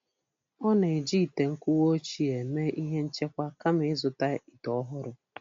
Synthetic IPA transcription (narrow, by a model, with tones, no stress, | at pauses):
ɔ˦ne˨e˨d͡ʒi˦˨te˨ŋ̩˦kʷʊ˦wo˦t͡ʃi˦e˨me˦ʔi˦ɦe˦n̩˦t͡ʃe˦kʷa˦ka˦m˦ɪ˦zʊ˨ta˦i˨tɔ˦ɦʊ˦ɾʊ˦